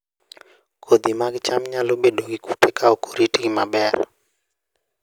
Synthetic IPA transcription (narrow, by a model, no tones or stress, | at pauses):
kʰod̪imaɡɪt͡ʃamɲalobedoɡiku̥tʰekʰaokʰo̥ɾitiɡimabɛr